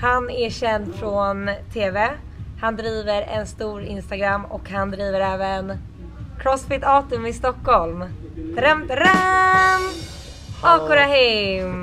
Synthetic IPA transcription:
hanæɕɛnd̪fɾɔnt̪ʰeːvɛ | hand̪ɾiːvəɾɛ̰nst̪uːɾɪnst̪aɡɾamːɔkhand̪ɾiːvəɾɛːvən | kʰɾɔsfɪt̪ɑːt̪ɵmɪst̪ɔkːɔlm | d̪ɾɛmt̪ɾam | ɑːkʊɾaɦɪm

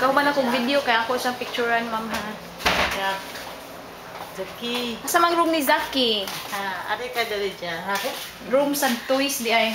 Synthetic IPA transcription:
kaɦʊmanakʊŋvidjokajakosaŋpɪk̚t͡ʃʊɾanmamɦa | d͡ʒa | zakiasamaŋɾʊmnizakihaa̰ɾekad̪alid͡ʒaɦa | ɾʊmsant̪ujsd̪ɪʔaj

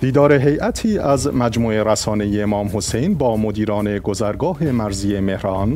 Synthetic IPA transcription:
d̪̥iːd̪ɒːɾe̞ɦe̞jʔæt̪ʰiːʔæzmæd͡ʒmuːeɾæsɒːne̞jeːmɒːmhosejnbɒːmod̪iːɾɒːne̞ɡozæɾɡɒːɦe̞mæɾziːeme̞hɾɒːn

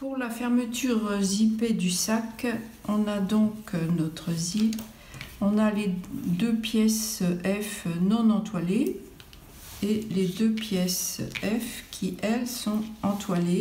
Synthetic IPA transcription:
puʁlafɛʁmət̪yʁziped̪ysakɔ̃nad̪ɔ̃knɔt̪χəzip | ɔ̃naled̪øpjɛsʔɛfnɔ̃nɑ̃t̪wale | eled̪øpjɛsɛfkʲʰiʔɛlsɔ̃ɑ̃t̪wale

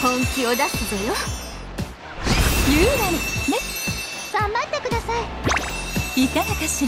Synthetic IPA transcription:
hõŋkʲiod̪asɨd̪ojo | jɯːɾaɾine | ɡ̥ãmbat̪ːekɯ̟d̪asai | it̪aɡ̪at̪eɕi

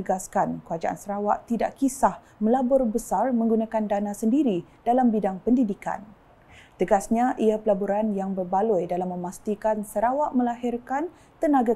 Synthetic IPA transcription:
əɡaskankəad͡ʒa̰ʔa̰nsəɾawa̰ʔt̪ida̰ʔkisah | mə̃labʊrbəsarmə̃ŋɡunãkandanãsəndiɾi | d̥alambidaŋpəndidika̰n | t̪əɡasɲaʔiapəlabuɾanjaŋbərbalujdalamːə̃mast̪ikansəɾawaʔmə̃laɦɪrkan | t̪ənaɡa

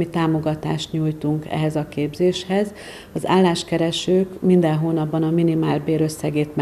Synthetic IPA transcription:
it̪aːmo̞ɡɒt̪a̰ːʃt̪ɲuːjt̪uŋkɛ̰ɦɛzɒkeːbzeːʃhɛz | ɒza̰ːlːaːʃkɛɾɛʃøːkmind̪ɛnɦoːnɒbːɒnɒminimaːlbeːɾø̞sːɛɡeːt̪mɛ

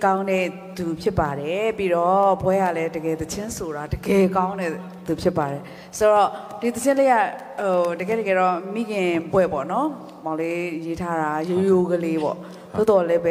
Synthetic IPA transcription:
kãʊ̃nɛ | d̪upʰjɪpːaɾɛpiɾɔpʰwɛjalɛdəɡɛt̪ət͡ɕʰɪ̃nsoɾadəɡɛkãʊ̃nɛ | d̪upʰjɪpːaɾɛ | soɹɔd̥it̪ət͡ɕʰɪ̃leɡa | ɦodəɡɛ̰dəɡɛɾɔmḭɡɪ̃pwɛ̰pɔ̰nɔ | mãlejetʰaɾajojoɡəlebɔ̰ | d̪o̰d̪ɔlɛbɛ

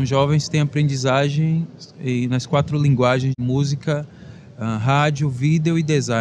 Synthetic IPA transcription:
ʒɔvẽj̃st̪ẽj̃apɾẽnd͡ʒizaʒẽj̃ẽnɐskwat̪ɾʊlĩɡwaʒẽj̃zmuzikɐ | ɛ̃ɦad͡ʒiʊvid̪eʊid̪ezã

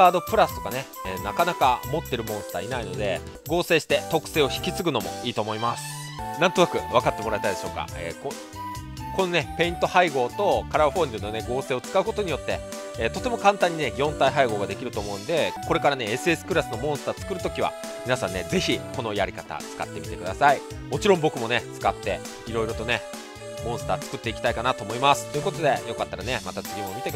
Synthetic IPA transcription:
aːd̪o̞pɯ̟ɾasɨ̥t̪o̞kaneeːnakanakamo̞t̪ːe̞ɾɯ̟mõɰ̃sɨ̥t̪aːinaino̞d̪e̞̰ | ɡo̞ːse̞ːɕi̥t̪e̞t̪o̞kɯ̟̥se̞ːo̞çi̥kʲit͡sɨɡɯ̟no̞mo̞̰iːt̪o̞ːmo̞imasɨ̥ | nãnt̪o̞nakɯ̟β̞akat̪ːe̞mo̞ɾaet̪aid̪eɕoːka̰ḛːko | konone̞pe̞ĩnt̪o̞haiɡo̞ːt̪o̞kaɾaɸo̞ɲʲd̪ɯno̞ne̞ɡo̞ːse̞ːot͡sɨ̥kaɯ̟ko̞t̪o̞ɲ̟ijo̞t̪ːe̞ː | t̪o̞t̪e̞mo̞kãnt̪ãɲ̟ːinejõ̞nt̪aiɦaiɡo̞ːɡad̪e̞kʲiɾɯt̪o̞ːmo̞ɯ̟̃nd̪e̞ko̞ɾe̞kaɾane̞esɨe̞sɨ̥kɯ̟ɾasɨno̞mõ̞ɰ̃sɨ̥t̪aːt͡sɨ̥kɯ̟ɾɯ̟t̪o̞kʲiβa̰ | mʲinasã̰ne̞d͡ze̞çiko̞no̞jaɾʲikat̪a̰t͡sɨ̥ka̰t̪ːe̞mʲit̪e̞kɯ̟d̪a̰sai | mo̞t͡ɕiɾõmbo̞kɯ̟mo̞net͡sɨ̥kat̪ːe̞ | iɾo̞iɾo̞t̪o̞ne̞ | mõɰ̃sɨ̥t̪aːt͡sɨ̥kɯ̟t̪ːe̞ikʲi̥t̪aikanat̪oːmo̞imasɨ̥t̪ːo̞iɯ̟kot̪o̞d̪e̞jo̞kat̪ːaɾanemat̪at͡sɨɡʲimomʲit̪ek

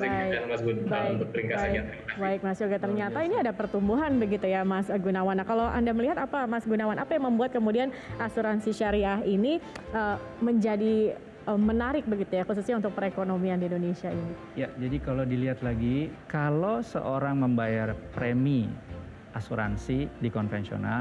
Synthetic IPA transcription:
baɪasbaɪɾiŋkabaa | baɪk̚masoɡat̪ərɲat̪ainiadapərt̪umbuɦanbəɡit̪ujamasɡunawanːakaloʔa̰ndaməliɦat̪apamasɡunawanʔapajaŋməmbuat̪̚kəmudianasuɾansiʃaɾiaɦiniə | məɲd͡ʒadi | əmːənaɾɪk̚bəɡit̪ujaxususɲaunt̪ʊk̚pəɾekonomiandiindonesiaini | jad͡ʒadikalowdiliɦat̪laɡikalosə̰ʔoɾaŋməmbajarpɾemi | ʔasuɾa̰nsidikɔnfɛnsio̰na̰

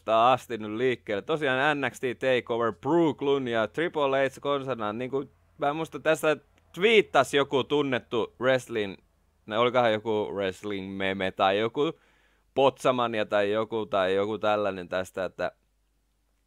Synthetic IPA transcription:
t̪ɑːɑst̪innylliːkːeːlet̪t̪osiɑːnænːækst̪it̪eikoʋerpruːklunjɑt̪ripoleit̪skonsɑnɑnniːŋku | mæːmuist̪ɑt̪æst̪æ | t̪ʋiːt̪ːɑsjokut̪unːet̪ːureslin | neolikɑhɑjjokuresliŋmemet̪ɑijoku | pot̪sɑmɑniɑt̪ɑijokut̪ɑijokut̪ælːænent̪æst̪æet̪ːæ̰

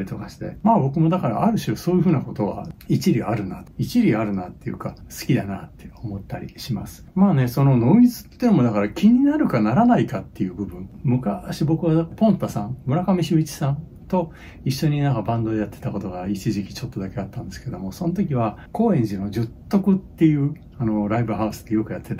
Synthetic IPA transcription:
ɾʲit̪o̞kaɕi̥t̪e̞̰maːbo̞kɯ̟mo̞d̪akaɾa̰ʔaɾɯ̟ɕso̞ːjɯ̟ɸɯ̟ːnako̞t̪o̞βa̰it͡ɕiɾʲiaɾɯ̟nait͡ɕiɾʲiaɾɯ̟nat̪ːe̞jɯ̟̰kasɨ̥kʲid̪anat̪ːe̞o̞mo̞t̪ːaɾʲḭɕimasɨ̥maːne̞so̞no̞no̞ːmʲizɨ̥t̪ːe̞nmo̞d̪akaɾakʲiɲ̟inaɾɯ̟kanaɾanaikat̪ːe̞jɯ̟ːbɯ̟bɯ̟̃ɴmɯ̟kaɕibo̞kɯ̟βapõ̞nt̪asãnmɯ̟ɾakamʲiɕiit͡ɕi̥sãn | t̪o̞ | iɕːo̞ɲ̟inãŋkabãnd̪o̞ejat̪ːe̞̥t̪ako̞t̪o̞ɡait͡ɕiʑikʲi̥t͡ɕo̞t̪ːod̪ake̞at̪ːãnd̪e̞sɨ̥ke̞d̪o̞mo̞sõ̞not̪̬o̞kʲiβako̞ːẽ̞ɲ̟d͡ʑino̞d͡ʑɨt̪ːo̞kɯ̟t̪ːe̞jɯ̟ | ano̞ɾaibɯɦaɯ̟sɨ̥d̪e̞jo̞kɯ̟jat̪ːe̞t̪a

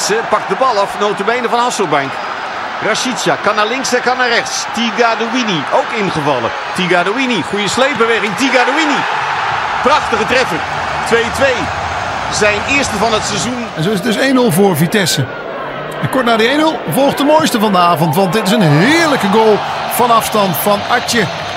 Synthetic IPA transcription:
səpɑk̚dəbɑlˠɑfnowtəbɛjnəvɑnɦɑsəlˠbɛŋk | raʃitsjakɑnaːlɪŋsɛkɑnaːrɛχtstiɡaːdoiniowkɪnχəvɑlˠə̰ | tiɡaːdoiniχujəslejp̚bəʋeχɪŋtiɡadoini | prɑχtəχətrɛfər | tʋejtʋej | zɛjnɪəɹstəvɑnətsɛzunɛnzowɪs̬ətdɵsejnølˠvʊːɹvitɛsə | ɛnkɔɹt̚naːdəejnølˠvɔlˠχdəmojstəvɑndəaːvɔntʋɑndɪtɪsənɦɪːɹləkəɡoːlˠ | v̥ɑnɑfstɑntfɑnɑt͡ʃə

